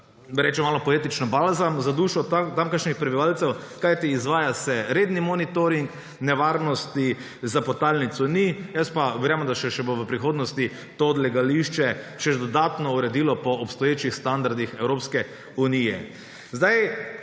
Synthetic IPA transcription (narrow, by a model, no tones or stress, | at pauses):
bɾɛt͡ʃɛmaːlɔpɔeːt̪it͡ʃnɔbalzamzad̪uːʃɔt̪amkaɾʃnixpɾɛbiʋalsɛwkajt̪iːzʋaːjasɛɾeːd̪nimɔnit̪oɾiŋk | nɛʋaɾnɔst̪i | zapɔt̪alnit̪sɔnijəst̪paʋɛɾjaːmd̪aʃɛʃɛboʋəpɾixoːd̪nɔst̪i | t̪od̪lɛɡaliʃt͡ʃɛt͡ʃɛʒd̪ɔd̪aːt̪nɔuɾɛd̪ilɔpɔːpst̪ɔjeːt͡ʃixst̪and̪aɾd̪ixɛwɾoːpskɛ | unijɛ̰ | zd̪aj